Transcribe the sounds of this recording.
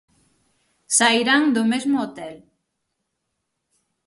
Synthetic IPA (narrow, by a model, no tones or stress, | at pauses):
sajɾaŋd̪ʊmezmʊot̪ɛl